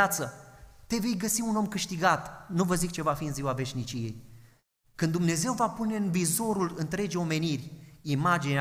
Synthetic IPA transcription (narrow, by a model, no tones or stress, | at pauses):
at̪sət̪e̞ve̞jɡəsiuno̞mkɨʃt̪iɡat̪nuvəzikt͡ʃe̞vafiɨnziwave̞ʃnit͡ʃije̞̰j | kɨnd̪umne̞ze̞wvapune̞ɨnvizo̞ɾulɨnt̪ɾe̞d͡ʒeo̞me̞nirʲimad͡ʒine